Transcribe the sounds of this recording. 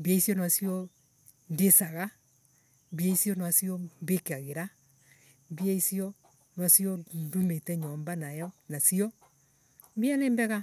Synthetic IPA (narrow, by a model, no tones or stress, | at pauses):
mbiaisjɔnasiɔ | ndesaɣa | mbiaisijɔnwasiɔmbekeaɣeɾa | mbiaisiɔ | nasiɔndumetɛɲɔːmbanajɔnasiɔ | mbianembɛɣa